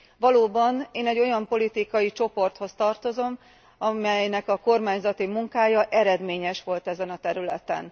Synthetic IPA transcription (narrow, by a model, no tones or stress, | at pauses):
ʋɒloːbɒneːnɛɟːo̞jɒmpo̞lit̪ikɒjit͡ʃo̞po̞rt̪ho̞st̪ɒrt̪o̞zo̞m | ɒmɛjnɛkɒko̞rmaːɲzɒt̪imuŋkaːjɒʔɛɾɛd̪meːɲɛʃʋo̞lt̪ɛzɛnɒt̪ɛɾylɛt̪ɛ̰n